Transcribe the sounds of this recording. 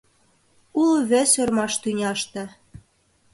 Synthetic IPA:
ulβĕsørmɑʃt̪ynʲɑʃt̪ɤ̆

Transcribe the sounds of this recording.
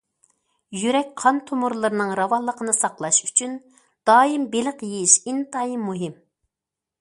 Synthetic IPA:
jyɾɛk̚ʲqʰɑnt̪ʰomʊɾlˠɨɾɨnɨŋɾɑwɑlˠːəqənɨsɑqlˠɑʃy̥t͡ʃʰyn | d̪̥ɑːimbelɪqjejiʃint̪ɑimːuɦɪm

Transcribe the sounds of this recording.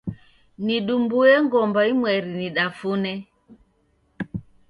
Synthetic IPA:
niɗumbuɛŋɡɔmbaimwɛɾiniɗafunɛ

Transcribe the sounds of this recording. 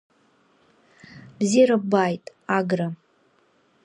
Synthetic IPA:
bziɾabajtʼ | aɡra

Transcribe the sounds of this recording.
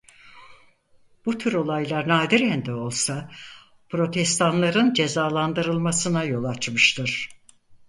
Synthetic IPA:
b̥ut̪ʰyɾo̞lˠajlˠaɾnaːd̪iɾɛnd̪ɛo̞lˠsa | pʰɾo̞t̪ʰɛst̪ʰanlˠaɾɯnd͡ʒe̞zaːlˠand̪ɯɾɯlˠmasɯnajo̞lˠat͡ʃmɯʃt̪ʰɯɾ̥

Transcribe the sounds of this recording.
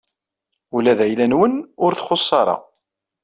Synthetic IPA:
ulæðæjlænwənʊɾθχosˤːɑɾˤɑ̰

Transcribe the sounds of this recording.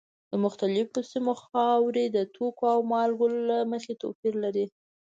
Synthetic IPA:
d̪̥əmʊxt̪alɪfosimoxɑwɾed̪ət̪ʰokoawmɑlɡollaməxet̪ofiɾlaɾi

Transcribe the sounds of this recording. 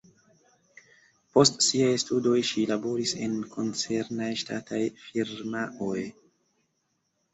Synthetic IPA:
po̞stsiajstudo̞jʃilabo̞ɾise̞̰nkʰo̞nt͡se̞ɾnajʃta̰tʰajfiɾmaʔoj

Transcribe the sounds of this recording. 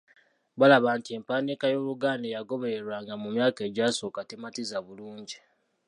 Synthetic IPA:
βalaβaːntie̞mpaːnikajo̞ːluɡaːndejaɡo̞βe̞ɾeɾwaːŋɡamumjaːke̞ːɟaːso̞ːkatematizaβuluːɲɟi

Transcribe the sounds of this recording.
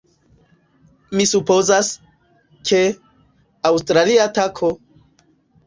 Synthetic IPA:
misupo̞zas | kʰe̞ | awstɾaliatakʰo

